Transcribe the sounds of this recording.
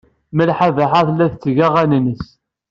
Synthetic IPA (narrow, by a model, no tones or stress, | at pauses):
məlħavaħaθlːæθt͡sːʝæʁænnəs